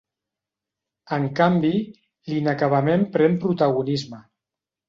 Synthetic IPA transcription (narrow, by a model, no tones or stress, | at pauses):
əŋkambi | linakaβamempɾɛmpɾut̪aɣunizmə